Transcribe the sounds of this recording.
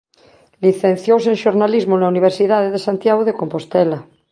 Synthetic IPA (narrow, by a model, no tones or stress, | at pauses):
liθẽn̟θjowsẽnʃoɾnalizmonauniβ̞eɾsiðaðeðesant̪jaɣoðekompo̞st̪ela